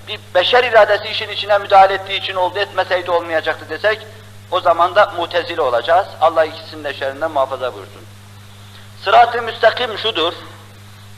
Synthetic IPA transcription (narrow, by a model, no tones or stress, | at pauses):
bibæʃæɾiɾɑːd̪æsiːʃinit͡ʃʰinæmyd̪ɑːilɛet̪̚d̪iːt͡ʃʰino̞lˠd̪uet̪mæsæid̪io̞lˠmɑjɑd͡ʒɑqt̪ɯd̪e̞sæc | o̞zɑmɑnd̪ɑmuht̪ʰæzilʲo̞lˠɑd͡ʒɑz̥ɑlˠːɑhilcʰi̥sinnd̪æʃæɾind̪ænmuhɑːfɑzɑbṵɾsṵn | sɯɾɑːt̪ʰlɯmyst̪æqimʃud̪uɾ